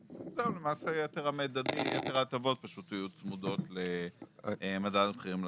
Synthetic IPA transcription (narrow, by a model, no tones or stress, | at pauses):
zeulemaːsejet̪eʁamed̪ad̪ijet̪eʁat̪avo̞t̪̚paʃut̪ajut͡smudo̞tle | madadbχiʁiml